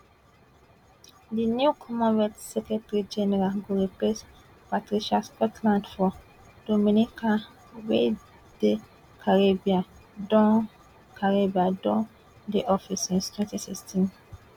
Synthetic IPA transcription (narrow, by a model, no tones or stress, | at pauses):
dinjukʰɔmãnwɛtsɛkɛtɹid͡ʒɛnɛɾaɡoɾiples | patɾiʃaskɔtʰlãntfɔ | d̥omĩnikʰã | we | d̥e | kʰaɾebiã | dɔ̃ | kʰaɹebiadɔ̃ | diʔɔfisĩstʰwɛ̃ntisikstʰĩn